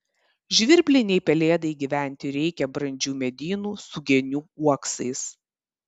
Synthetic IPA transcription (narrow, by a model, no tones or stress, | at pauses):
ʒʲʋʲɪɾʲbʲlʲɪnʲɛɪpʲɛlʲeːd̪ɐɪɡʲiʋʲæˑnʲˑt̪ʲɪɾʲɛɪkʲɛbɾɐnʲd͡ʒʲuːmʲɛd̪ʲiːnuːsʊɡʲɛnʲuːuɔksɐɪs